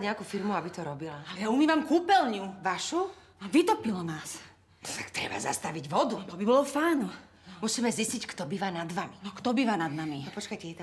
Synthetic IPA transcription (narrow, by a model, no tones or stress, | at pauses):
ɲɛakufiɾmuabit̪ɔɾɔbilaalɛjaumiːʋamkuːpɛlɲuʋaʃu | ʋit̪ɔpilɔnaːs | t̪akt̪ɾɛ̰ba̰za̰st̪aʋiɟʋɔd̪ut̪ɔbibɔlɔfaːnu | musiːmɛziscickt̪ɔbiːʋanad̪ʋaminɔkt̪ɔbiːʋanad̪namipɔt͡ʃkajcɛjɛt̪